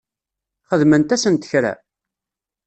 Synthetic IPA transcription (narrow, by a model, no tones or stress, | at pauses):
χəðmənt̪æsənt̪ə̥çɾæ̰